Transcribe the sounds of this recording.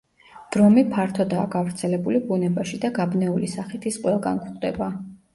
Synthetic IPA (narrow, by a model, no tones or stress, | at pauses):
d̪̥ɾɔmipʰaɾt̪ʰɔd̪aːɡavɾt̪sʰɛlɛbulibunɛbaʃid̪aɡabnɛulisaχit̪ʰisqʼwɛlˠɡa̰nkʰχʼd̪ɛba